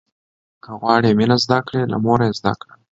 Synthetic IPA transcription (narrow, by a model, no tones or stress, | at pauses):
kəɣwɑɽemɪnazd̪akɽela̰moɾajezd̪a̰kɽa